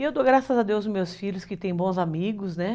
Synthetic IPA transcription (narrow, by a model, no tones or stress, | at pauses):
ewd̪oɡɾasɐzad̪ewzmewsfiʎlʊskɪt̪ẽj̃bõzamiɡʊznɛ